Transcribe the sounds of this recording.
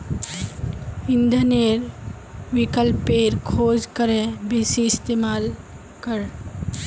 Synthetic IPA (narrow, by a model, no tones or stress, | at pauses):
ɪ̃nd̪ʱəneɾ | ʋikəlpeɾkʰoːd͡ʒkəɾẽbisiɪst̪eːmaːl | kəɾ